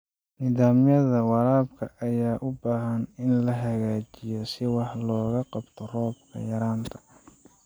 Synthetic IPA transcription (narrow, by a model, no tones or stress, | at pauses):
niːðaːmjɐðɐwɑlaːb̚kʰɐʔɐjaːʔʊbaːɦɐnɪnlɐɦɐɣaːt͡ʃɪjɔsɪwɑħlɔːɣɐqɑbt̪ʰɔrɔːbkʰɐ̰jɐɾaːnt̪ʰɐ̥